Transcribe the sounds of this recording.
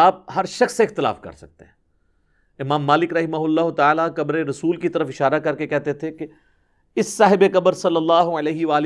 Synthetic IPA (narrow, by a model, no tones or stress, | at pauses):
aːp̚ɦɐɾʃɐxsːeɪxt̪ɪla̰ːfkɐ̰ɾsɐ̰k̚t̪eɦɛ̃ː | ɪmaːmːaːlɪkɾɐɦɪmaɦʊlːaːɦʊt̪aaːlakɐbɾeɾɐsuːlkit̪ɐɾəfɪʃaːɾakɐɾkekɛɦt̪et̪ʰeke | ɪsːaːɦɪbekɐbəɾsɐlːɐlːaːɦʊɐlɛːɦɪʋaːlɪ